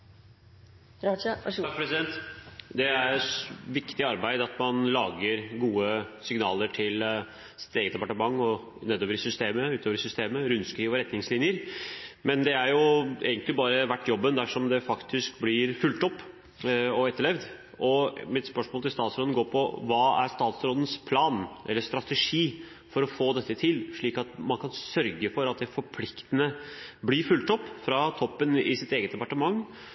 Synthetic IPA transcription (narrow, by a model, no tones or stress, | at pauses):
ɑkpʰɾɛsɪd̪ɛnt̪d̪ɛæɾʋɪkt̪ɪɑɾbæɪd̪əɑt̪mɑnlɑːɡəɾɡuːəsɪŋnɑːləʈʰɪl | sɪ̥t̪eːɡət̪̚d̪ɛpɑʈəmɑŋːɔ | neːd̪oːʋəɾsʏst̪eːməʉːt̪oːʋəɾsʏst̪eːməɾʉnːskiːʋɔɾɛt̪ːnɪŋslɪnjəɾmɛnd̪ɛæɾjʊḛːɡənt̪lɪbɑːɾəʋæʈːjɔbːənd̪æʂɔmd̪ɛfɑkt̪ʰɪskblɪɾfʉlt̪ɔpː | ɔɛt̪ːəɭɛʋd̪ | ɔmɪt̪spœʂmoːlt̪ɪlst̪ɑːt̪sɾoːd̪nɡoːɾpʰɔʋɑːæ̰ɾst̪ɑːt̪sɾɔːd̪ən̩spʰlɑːnʔɛ̰lːəʂt̪ɾɑt̪ɛʂiː | fɔɾɔfoːd̪ɛt̪ːət̪ʰɪlʂɭiːkɑt̪mɑnkʰɑnsœɾɡəfɔɾɑt̪̚d̪ɛfɔɾpʰlɪkt̪ənəblɪɾfʉlt̪ɔpːfɾɑt̪ʰɔpːənɪ̰sɪt̪eːɡət̪̚d̪ɛpɑʈəmɑŋː